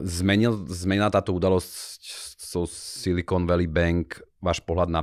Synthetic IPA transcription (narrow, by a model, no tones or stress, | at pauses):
zmɛɲilzmɛɲilat̪aːt̪ɔud̪alɔsccsɔsilikɔnʋɛlibɛŋkʋaːʃpɔɦlad̪na